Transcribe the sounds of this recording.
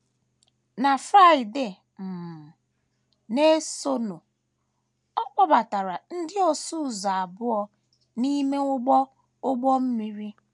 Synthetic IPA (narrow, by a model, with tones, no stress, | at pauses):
na˨fɾa˦ɪ˨de˨ | m̩˨ | ne˦so˦no˨ | ɔ˦k͡pɔ˦ba˨ta˨ɾa˨n̩˦dɪ˦ɔ˨su˦˨za˨a˨bʊ˦ɔ˦ | ni˦me˦ŋʷʊ˦ɡ͡bɔ˦ | ʊ˦ɡ͡bɔ˦m̩˦mi˦ɾi˦